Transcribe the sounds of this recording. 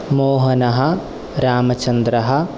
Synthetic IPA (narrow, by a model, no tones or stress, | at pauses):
moːɦɐnɐɦɐ̆ | ɾaːmɐt͡ʃɐnd̪ɾɐɦɐ̆